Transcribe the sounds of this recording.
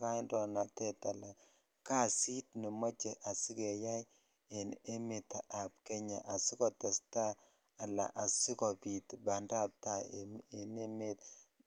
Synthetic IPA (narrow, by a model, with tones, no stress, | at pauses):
ka˦ndɔ˨na˨tɛ˦ta˨la˨ | ka˦si˦t̚nɪ˨ma˦t͡ʃɛ˨ʔa˨si˦kɛ˨ja˦j | e˨ne˦mɪ˨ta˨ʔa˨p̚kɛ˦ɲa˨ʔa˨si˦kɔ˨ta˨staː˦˨ | la̰˨ʔa˨sɪ˦kɔ˨pi˨tba˨nda˦p̚ta˦˨me˨ne˦me˦t